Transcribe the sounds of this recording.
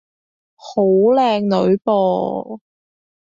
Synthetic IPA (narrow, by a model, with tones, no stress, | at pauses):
ho˨˧wlɛː˧ŋnɵ˨˧˥ɥpɔː˧